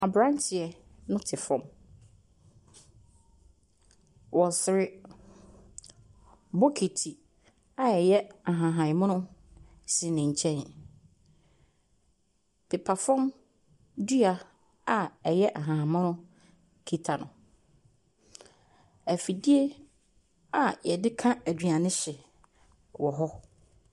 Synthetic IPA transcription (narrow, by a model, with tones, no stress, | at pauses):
a˨bɾã˦n˦tʰɪ˨ɛ˨nʊ̃˦tʰɪ˨fɔ̃˦m | wɔ̃˨sɪ˨ɾɪ˦ | bɔ˦kʰe˨tʰi˨ | a˨ɛ˨jɛ˦a˨ɦã˨ɦã˨mʊ̃˦nʊ̃˦ | si˨nɪ̃˨ɲ̩˨t͡ɕʰɛ̃˦n˨ | pʰɪ˨pʰa˨fɔ̃˦m | du˦a˨ | a˨ɛ˨jɛ˦ʔa˨ɦã˨ɦã˨mʊ̃˦nʊ̃˦ | kʰi˦tʰa˨nʊ̃˨ | æ˨fi˨di˦e˦ | a˨jɛ˨dɪ˦kʰã˦æ˨dɥa˨nɪ̃˦ɕɪ˨ | wɔ˨ɦɔ˦